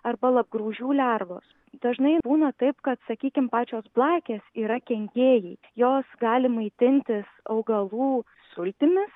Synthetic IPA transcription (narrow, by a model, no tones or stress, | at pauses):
ɐrbɐlˠɐb̚ɡɾuːʒʲuːlʲærʋo̰ːs | d̪̥ɐʒnɐɪbuːnɐt̪ɐɪpkɐt̪sɐkʲiːkʲɪmpɑːt͡ʃʲoːsblˠɑːkʲeːsiːɾɐkʲɛŋʲɡʲeːjɛɪ | joːsɡɑːlʲɪmɐɪt̪ʲɪnʲt̪ʲɪsɐʊɡɐlˠuː | sʊlʲt̪ʲɪmʲɪs